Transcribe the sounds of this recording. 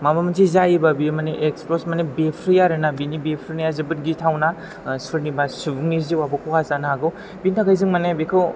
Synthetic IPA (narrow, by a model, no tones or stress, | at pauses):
mamamɯnsʰizajibabimaneʔeksposmanebepʰɾijaɾɯnabinibepʰɾinajazɯbɯt̚ɡitʰawna | suɾnibasubuŋniziwabɔkʰɔkʰazanaaɡɯw | bintʰaɡajzɯŋmanebekʰɯw